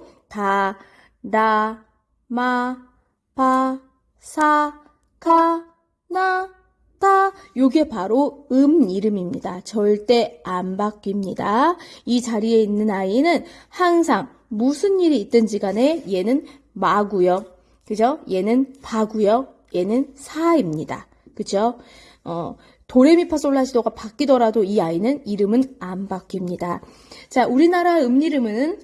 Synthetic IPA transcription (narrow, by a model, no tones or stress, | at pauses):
ta | na | ma | pa | sʰa | kaa | na | ta | joɡepaɾoɯmiɾɯmimɲidat͡ɕʌɭt͈e̞anbak͈̚imɲidait͡ɕaɾie̞inːɯnainɯnhaŋs̬ʰaŋ | musʰɯnːiɾiːt̚t͈ɯnd͡ʑiɡane̞je̞nɯn | maɡujʌ | kɯd͡ʑoje̞nɯnpaɡujʌ | je̞nɯnsʰaimɲida̰ | kɯd͡ʑo | ʌ | toɾe̞mipʰas͈oɭːaɕʰidoɡapak͈idʌɾadoiainɯniɾɯmɯnanbak͈imɲida | t͡ɕauɾinaɾaeɯmɲiɾɯmɯnɯn